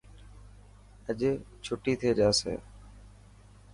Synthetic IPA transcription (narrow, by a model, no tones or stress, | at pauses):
əd͡ʒeː | t͡ʃʰʊʈiːt̪ʰeːd͡ʒaːsḛː